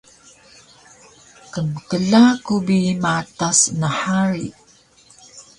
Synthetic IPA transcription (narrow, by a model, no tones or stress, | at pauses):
kəməkəlakubimatasnaħaɾi